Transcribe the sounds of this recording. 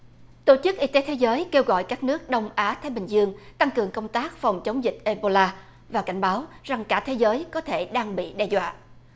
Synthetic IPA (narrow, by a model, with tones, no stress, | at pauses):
t̪o˧˩t͡ɕɨ˦˥k̚ʔi˧t̪e˨˦t̪ʰe˨˦zəː˨˦jke˧wɣɔ̰˧˨jkaː˦˥k̚nɨ˦˥ək̚ɗə˧wŋ͡mʔaː˨˦t̪ʰaː˨˦jɓï˨˩ŋ̟zɨ˧əŋt̪a˧ŋkɨ˨˩əŋkə˧wŋ͡mt̪aː˦˥k̚fa˨˩wŋ͡mt͡ɕə˨˦wŋ͡mzï˨˩k̚ʔe˧ɓo˧laː˧ | vaː˨˩ka˧˩jŋ̟ɓaː˨˦wza˨˩ŋkaː˧˩t̪ʰe˨˦zəː˨˦jkɔ˨˦t̪ʰe˧˩ɗaː˧ŋɓḭ˧˨ɗɛ˧zwa̰ː˧˨ʔ